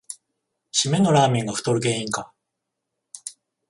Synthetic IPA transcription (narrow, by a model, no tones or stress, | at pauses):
ɕimẽ̞nːo̞ɾaːmʲĩŋɡaɸɯ̟̥t̪o̞ɾɯ̟ɡe̞ːĩŋka